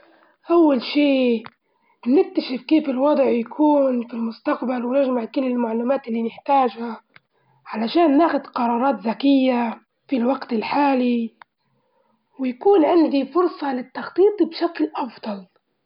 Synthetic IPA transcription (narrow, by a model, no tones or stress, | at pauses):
ʔawːalʃiː | nɪk̚t̪aʃɪfkeːfɪlwɑd̪ˤʕjakʰuːnfilmʊst̪aqbalwnaʒmaʕkʊlːɪlmaʕluːmaːt̪ɪlːinɪħt̪aːʒha | ʕalaʃaːnːaːxʊd̪qɑɾˤɑːɾˤɑːt̪zakɪjːa | filwaɡt̪ɪlħaːli | wɪjakuːnʕɪnd̪ifʊɾsˤɑlɪt̪ːɑxt̪ˤiːt̪ˤbʃaklʔɑfd̪̥ˤɑl